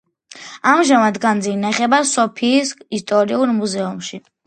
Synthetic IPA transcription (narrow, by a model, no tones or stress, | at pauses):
amʒamad̪ɡand̪zinaχɛbasɔpʰiːsist̪ʼɔɾiuɾmuzɛumʃi